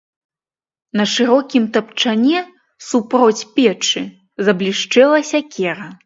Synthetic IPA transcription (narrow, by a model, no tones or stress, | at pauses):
nɐʂɨɾɔkʲimt̪ɐpt͡ʂanʲɛ | supɾɔt͡sʲpʲɛt͡ʂɨ | zɐblʲiʂt͡ʂɛlˠɐsʲɐkʲɛɾɐ